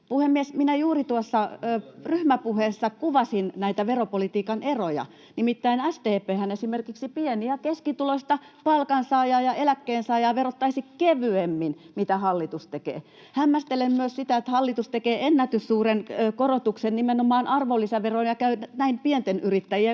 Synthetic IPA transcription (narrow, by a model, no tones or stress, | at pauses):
puhemːiesminæjuːrit̪uosːɑːryhmæpuheːsːɑkuʋɑsinnæit̪æʋeropolit̪iːkɑnerojɑ̰ | nimit̪ːæinæst̪eːpeːhænesimerkiksipieniækeskit̪uloist̪ɑ | pɑlkɑnsɑːjɑːjɑelækːeːnsɑːjɑːʋerot̪ːɑisikkeʋyemːinmit̪æhɑlːit̪ust̪ekḛː | hæmːæst̪elemmyøssit̪æet̪hɑlːit̪ust̪ekeːenːæt̪yssuːrenːkorot̪uksennimenomɑːnʔɑrʋolːiseʋeronjɑkæynnæimpient̪enyrit̪ːæjie